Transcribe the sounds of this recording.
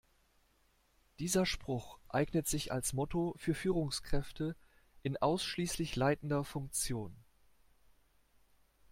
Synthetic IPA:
d̥iːzɐʃpʁ̥ʊxʔaɪɡnətz̥ɪça̰lsmɔtofyːɐfyːʁʊŋskʁ̥ɛftʰə | ʔɪnʔaʊsʃliːslɪçlaɪtn̩dɐfʊŋk̚t͡sjoːn

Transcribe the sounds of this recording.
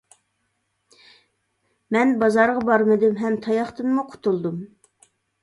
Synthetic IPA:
mɛnbɑzɑɾʁɑbɑɾmɨd̪ɪmɦɛmt̪ʰɑjɑχt̪ɨnmuqʰʊ̥t̪ulˠd̪um

